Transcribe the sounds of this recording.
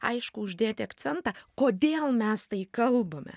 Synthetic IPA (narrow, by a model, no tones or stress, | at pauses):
ɐ̰ɪʃkʊʊʒʲd̪ʲeːt̪ʲɪɐkt̪sʲɛnt̪ɑkoːd̪ʲeːlˠmʲɛst̪ɐɪkɐlˠbɐmʲɛ̰